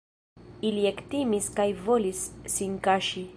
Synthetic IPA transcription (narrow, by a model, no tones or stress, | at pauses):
iliektimiskajvo̞lisːinkaʃi